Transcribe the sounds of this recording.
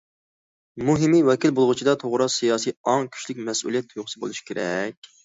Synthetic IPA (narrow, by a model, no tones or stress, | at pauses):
muɦɪmiwɛkʲilbolˠʁʊt͡ʃʰid̪ɑt̪ʰoʁɾɑsijɑːsijɑŋkʲʰy̥ʃlɪkʲmɛsṵlˠijɛt̪joχsɨbolˠuʃi̥kʲʰeɾɛ̰kʲ